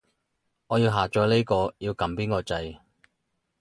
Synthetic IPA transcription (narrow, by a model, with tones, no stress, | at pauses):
ŋɔː˨˧jiː˧wɦaː˨t͡ʃɔː˨˥le˥kɔː˧jiː˧wkɐ˨˥mpiː˥nkɔː˧t͡sɐ˧j